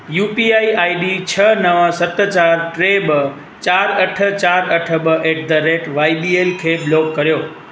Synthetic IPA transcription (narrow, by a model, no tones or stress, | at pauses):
jupiaiaiɖit͡ʃʰənəʋãsət̪ːət͡ʃaɾʈɾebə | t͡ʃaɾəʈʰət͡ʃaɾəʈʰəbəʔeʈ̚d̪əɾeʈʋaibielkʰeblokːəɾjo